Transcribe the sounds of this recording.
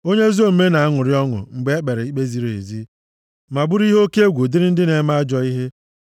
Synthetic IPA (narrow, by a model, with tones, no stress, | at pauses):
o˦ɲe˦zo˦m̩˦me˦na˨a˦ŋʊ˨ɾɪ˦ɔ˦ŋʊ̰˨ŋ͡m̩˨ɡ͡be˨˦e˦k͡pe˨ɾe˨i˦k͡pe˦zi˨ɾo˨ḛ˨zi˦ | ma˨bʊ˦ɾi˦ɦo˦ke˦e˦ɡʷu˨dɪ˦ɾɪ˦n̩˦dɪ˦ne˨˦ma˦a˦d͡ʒɔ˨i˦ɦe˦